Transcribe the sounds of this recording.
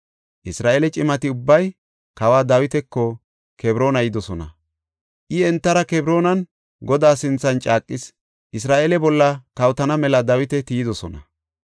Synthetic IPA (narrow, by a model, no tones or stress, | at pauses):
ʔɪsɾaːʔeːlɛt͡ʃʼɪmɐt̪ɪʊbːɐj | kɐwaːd̪ɐwɪt̪ɛkːɔ | kɛbɾo̞ːnɐjɪd̪ɔsɔnɐ̰ | ʔɪɛnt̪ːɐɾɐkɛbɾo̞ːnɐn | ɡɔd̪aːsɪnt͡sːɐnt͡ʃʼaːkʼːɪs | ʔɪs̬ɾaːʔeːlɛbɔlːɐkɐwt̪ɐnɐmɛlɐd̪ɐwɪt̪ɛt̪iːd̪ɔsɔnɐ̰